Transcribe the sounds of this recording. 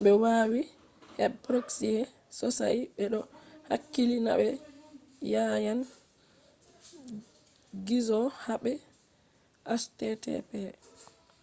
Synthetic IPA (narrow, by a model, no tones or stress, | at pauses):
ɓɛwawi | hɛbpɾoksijɛ | sɔsa̰iɓɛɗɔha̰kːilina̰ɓɛ | jajan | ɡizɔhaɓɛ | ʔastɛtɛ̰pɛ